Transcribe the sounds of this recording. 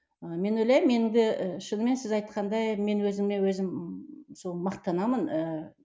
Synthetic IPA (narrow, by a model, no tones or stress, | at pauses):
əme̞nwɵjlæjmːe̞nɪŋd̪ɪʃənəme̞nsɪzɑjt̪̚qɑnd̪ɑjme̞nwɵzɪmne̞wɵzɪmsolˠmɑqt̪ɑnɑmənə